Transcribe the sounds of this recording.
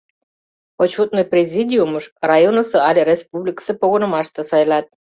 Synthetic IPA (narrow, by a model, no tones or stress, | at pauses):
ot͡ɕut̪̚nojprʲezʲidʲiuməʃrɑjonosəɑlʲerespublʲiksĕpoɣonəmɑʃt̪ə̆sɑjlɑt̪̚